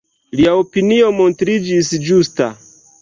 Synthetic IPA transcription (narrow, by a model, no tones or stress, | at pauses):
liao̞pinio̞mo̞ntɾid͡ʒisd͡ʒusta̰